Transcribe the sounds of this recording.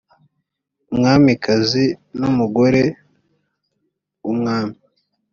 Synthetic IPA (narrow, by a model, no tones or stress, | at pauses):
umŋaːmikʰazinumuɡo̞ɾe | umŋaːmi